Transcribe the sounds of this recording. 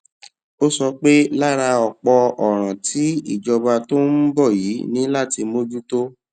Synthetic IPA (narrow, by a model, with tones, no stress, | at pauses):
o˦sɔ˧k͡pe˦la˦˨ɾa˧ɔ˨k͡pɔ˧ɔ˨ɾ̃ã˨tʰi˨˦ḭ˦˨d͡ʒɔ˧ba˧to˦m̩˦bɔ˦˨ji˨˦nĩ˨˦la˦˨ti˧mo˦d͡ʒu˦to˦